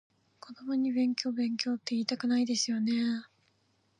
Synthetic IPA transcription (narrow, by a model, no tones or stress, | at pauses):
kʰo̞d̪o̞moɲ̟ibẽ̞ŋkʲo̞ːbẽ̞ŋkʲo̞ːt̪ːe̞iːt̪akɯ̟naid̪e̞sɨjo̞ne̞